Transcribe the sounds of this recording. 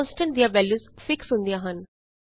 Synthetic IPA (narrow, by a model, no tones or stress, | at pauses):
nsʈə̃ɳd̪eəɾʋɛljuzfɪksũnd̪iaɦãn